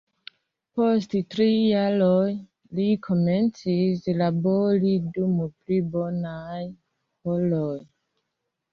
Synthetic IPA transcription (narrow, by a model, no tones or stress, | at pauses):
posttɾijaɾoj | likʰome̞nt͡sislaboɾidumuplibo̞naj | holoj